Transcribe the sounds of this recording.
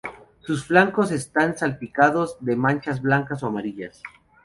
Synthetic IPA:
susflaŋko̞se̞st̪ansalpikaðozðe̞mãnt͡ʃazβlaŋkasoamaɾiʝas

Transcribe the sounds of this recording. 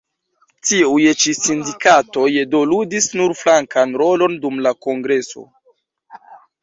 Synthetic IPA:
tiujt͡ʃisindikato̞jedo̞ludisnuɾflaŋkʰanɾo̞lo̞ndumlako̞ŋɡɾe̞so̞̰

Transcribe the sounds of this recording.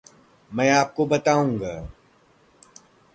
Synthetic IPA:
mɛ̃ːaːp̚kobɐt̪aːũːŋɡaː

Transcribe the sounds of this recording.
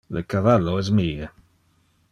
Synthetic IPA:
ləkʰavaloɛz̬miːə

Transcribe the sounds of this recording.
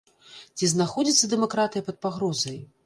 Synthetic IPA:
t͡sʲiznaxɔd͡zʲit̪sːɐd̪ɛmakɾat̪ɨjɐpɐt̪̚paɣɾɔzɐj

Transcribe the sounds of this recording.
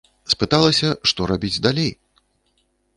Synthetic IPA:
spɨt̪alˠɐsʲɐʂt̪ɔɾabʲid͡zʲd̪alʲej

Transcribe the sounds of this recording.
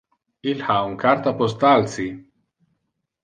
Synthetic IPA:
ilhauŋkʰaɾt̪apost̪alsi

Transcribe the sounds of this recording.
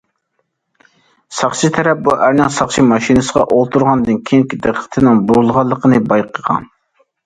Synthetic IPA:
sɑχt͡ʃʰit̪ʰɛɾɛp̚buʔæɾnɪŋsɑχt͡ʃʰimɑʃinɨsəʁɑ̰ʔolˠt̪ʰuɾʁɑnd̪ɨnkʲʰeŋkʲid̪eqʰːə̥t̪ʰɨnɨŋbuɾulˠʁɑlˠːəqʰənɨbɑjqʰəʁɑ̰n

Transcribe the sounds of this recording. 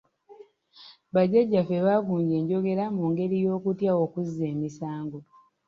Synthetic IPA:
βaɟeɟːafeβaɡuːɲɟe̞ːɲɟo̞ɡe̞ɾamuːŋɡe̞ɾijo̞ːkutjao̞kuzːe̞ːmisaːŋɡo

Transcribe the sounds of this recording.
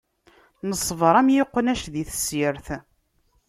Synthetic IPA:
nəsˤːvəɾˤæmjɪqːənæʃðiθəsiɾθ

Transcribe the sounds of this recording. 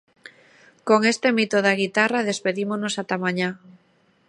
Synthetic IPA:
koŋest̪emit̪oðaɣ̞it̪araðespeðimonosat̪amaɲa

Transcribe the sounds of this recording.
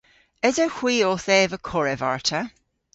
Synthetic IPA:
ɪzəhw̥iːoːθɛːvəkʰɔɹɛvaɹtʰə

